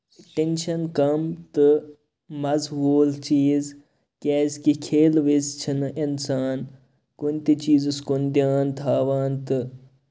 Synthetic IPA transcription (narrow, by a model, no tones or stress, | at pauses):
ʈenʃɐnkɐmt̪ɨ | mɐzɦuːlt͡ʃiːz | kʲɛːzkikʰeːlʋizt͡ʃʰinɨʔinsaːn | kunʲt̪it͡ʃiːzɨskund̪jaːnt̪ʰaːʋaːnt̪ɨ